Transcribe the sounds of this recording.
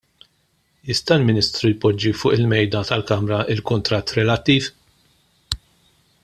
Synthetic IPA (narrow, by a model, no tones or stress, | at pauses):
ɪst̪ɐlmɪnɪst̪ɾujpɔd͡ʒːifʊːʔɪlmɛjd̪ɐt̪ɐlkɐmɾɐɪlkʊnt̪ɾɐt̪ːɾɛlɐt̪ːiːf